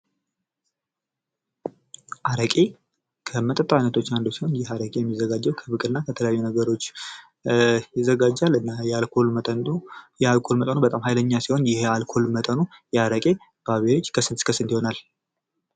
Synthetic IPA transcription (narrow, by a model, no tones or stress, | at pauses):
ʔaɾəkʼe | kʰəmət̪ʼət̪ʼːajnət̪ʰo̞t͡ʃːand̪osiho̞njɪɦaɾəkʼejɛmːizːəɡad͡ʒːɛwkʰəbɨkʼɨlɨnːakʰət̪ʰələjajːunəɡəɾo̞t͡ʃː | jɪzːəɡad͡ʒːalɨnːajalkʰolt̪ʼənjɛalkʰo̞lmət̪ʼənubət̪ʼamhajləɲːasiho̞njɪhalkʰo̞lmət̪ʼənujɛaɾəkʼe̞ | b̥aβeɾot͡ʃːkʰəsɨnt̪kʰəsɨnt̪jiho̞nal